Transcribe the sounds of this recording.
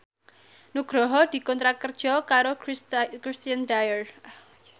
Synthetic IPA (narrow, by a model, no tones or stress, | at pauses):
nuɡ̥ɾɔɦɔd̪̥i̤kɔnt̪ɾakərd̥ʒ̥ɔkaɾokɾist̪iand̪ajər